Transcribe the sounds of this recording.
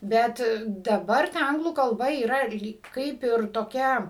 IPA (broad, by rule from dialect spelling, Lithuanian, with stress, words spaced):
ˈbʲɛt dɐˈbɐr tɐ ˈɐŋɡlˠuː kɐlˠˈbɐ iːˈrɐ ɪr ˈlʲiːk ˈkɐɪp ɪr toːˈkʲɛ